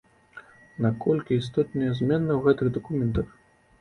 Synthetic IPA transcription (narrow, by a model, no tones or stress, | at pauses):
nɐkɔlʲkʲiːst̪ɔt̪nɐjɐzʲmʲɛnːɐwɣɛt̪ɨɣd̪ɐkumʲɛnt̪ɐx